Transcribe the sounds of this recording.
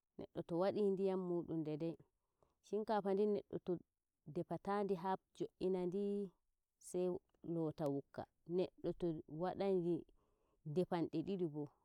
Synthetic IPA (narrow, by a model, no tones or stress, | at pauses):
nʔɛ̰ɗːɔtɔwaɗindijamːuːɗundɛdɛj | ʃiŋkapandinɛ̰ɗːɔ̰tɔ | dɛpatandiɦab̚d͡ʒoʔːinandi | sɛj | lɔːtawukːa̰ | nɛɗːɔtɔwaɗandi | dɛpanɗiɗiɗibɔ